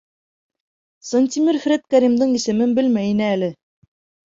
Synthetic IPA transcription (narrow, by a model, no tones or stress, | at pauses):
sonʲt̪ʲimʲiɾfɾet̪̚kæɾʲimd̪ɤɴisɘ̆mɘnbɘlmæjinɘælɘ